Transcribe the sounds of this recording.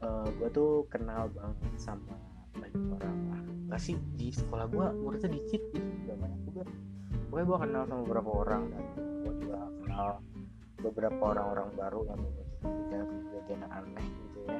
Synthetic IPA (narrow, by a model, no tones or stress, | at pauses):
əːɡuat̪ukənalbaŋət̪̚sama | dalioɾaŋakasidisə̥kolahɡuamuɾut̪anikɪt̪̚ɡit̪ud͡ʒuɡamanad͡ʒuɡa | bukajɡuakənalsamabəbəɾapaoɾaŋdanɡuaɡuakənal | bəbəɾapaoɾaŋoɾaŋbaɾujamaŋɡakaad͡ʒuɡak̪ud͡ʒuɡakanaʔa̰nak̚ɡit̪u